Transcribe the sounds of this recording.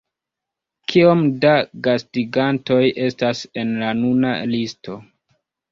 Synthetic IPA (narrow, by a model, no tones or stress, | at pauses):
kʰio̞mdaɡastiɡanto̞jʔe̞stase̞nlanuna̰listo̞